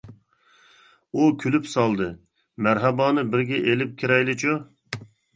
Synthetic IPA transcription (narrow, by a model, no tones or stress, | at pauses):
ukʲʰylypsɑlˠd̪ɨ | mæɾɦɛbɑːnɨbɪɾɡʲɛʔelɪp̚kʲʰiɾɛjlɪt͡ʃʰu